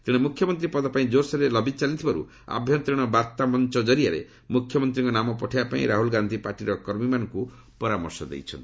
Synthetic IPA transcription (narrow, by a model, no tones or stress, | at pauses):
t̪iɽ̃emukʰjɔmɔnt̪ɾipɔd̪ɔpaĩd͡ʒosɔɾelɔbit͡ʃalit̪ʰibaɾṵ | a̰bʱjɔnt̪ɾiɽ̃ɔbaɾt̪amɔnt͡ʃɔd͡ʒɔɾiaɾḛ | mukʰjɔmɔnt̪ɾĩŋkɔnamɔpɔʈʰiapaḭ̃ɾaɦulɡand̪ʱipaɾʈiɾɔkɔɾmimanɔŋku | pɔɾamɔɾsɔd̪ḛjt͡ʃʰɔ̰nt̪i